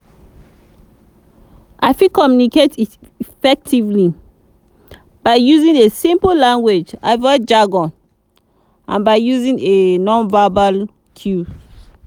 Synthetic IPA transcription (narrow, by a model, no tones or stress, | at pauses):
ʔaɪfikɔmjuniketit | ifɛk̚tʰivli | b̥aɪjuzĩnesĩmpolãŋɡwed͡ʒa̰ɪvɔd͡ʒɹaɡɔ̃n | ʔã̰nbaɪjuzĩŋenɔ̃nvabal | tʰju